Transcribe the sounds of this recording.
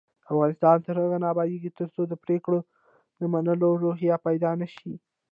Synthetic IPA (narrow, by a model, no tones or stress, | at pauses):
afɣɑnɪst̪ɑnt̪əɾhəɣanɑbɑj̪eɡit̪əɾt͡sod̪əpɾekɽo | d̪əmanəloɾoɦjapajd̪ɑnaʃi